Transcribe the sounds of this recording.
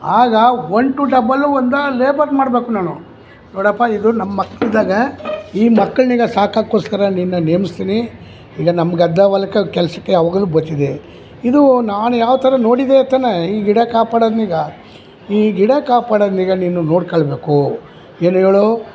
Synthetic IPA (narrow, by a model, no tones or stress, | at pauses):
aːɡɐoɳʈuɖɐbɐlːuond̪ɐleːbɐɾmaːɽbe̞ːkunaːnu | noːɽɐpːaːid̪unɐmːɐːɐkːɐɭid̪aːɡɐiːmɐkːɐɭniːɡɐsaːkaːkːoːskɐɾɐninːɐnemist̪iːni | iːɡɐnɐmːɐɡɐd̪ːɐʋɐlɐkːɐkɛlɐsɐkːeɐʋɐɡɐluːbɐt͡ʃ̪ːid̪e | id̪unaːnujaːʋt̪ɐɾɐno̞ːɽid̪eɐt̪ːɐnːeiːɡiɽɐkaːpaːɽɐd̪niːɡɐ | iːɡiɽɐkaːpaːɽɐd̪niːɡɐniːnuno̞ːɽkɐɭbeːku | eːneːɭo